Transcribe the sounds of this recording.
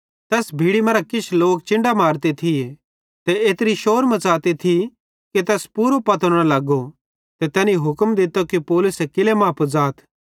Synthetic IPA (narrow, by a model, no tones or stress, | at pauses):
t̪ɛːsbʱiːɽimɐ̃ɾakɪt͡ʃʰloːk̚t͡ʃɪ̃ɳɖamaːɾt̪et̪ʰie | t̪ɛeːt̪ɾiʃoːɾmɐ̃t͡saːt̪et̪ʰi | ket̪ɛːspuːɾopɐt̪əɽ̃ãlɐɡo | t̪et̪ɛːniɦʊkəmd̪ɪt̪okipɔːlʊsekɪlemãːpʰod͡zaːt̪ʰ